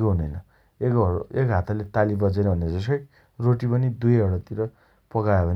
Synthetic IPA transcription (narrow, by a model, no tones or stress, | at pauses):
koɦunʌjnʌ | ekekɦat̪ʰalet̪alibʌd͡zʌjnʌɦuneʌd͡zʌs̬kʌj | roʈipʌnid̪ujʌɽʌt̪iɾʌ | pʌkaebʌn